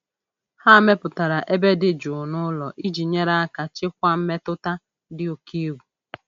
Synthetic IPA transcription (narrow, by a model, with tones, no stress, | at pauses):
ha˦˨me˦pʊ˨ta˨ɾa˨ʔe˦be˦dɪ˨˦d͡ʒʊ˨nʊ˦lɔ˨ʔi˦d͡ʒi˨ɲe˦ɾa˦a˦ka˨t͡ʃɪ˦kʷa˦m̩˦me˦tʊ˦ta˦ | dɪ˦o˨kʰi˦wu˨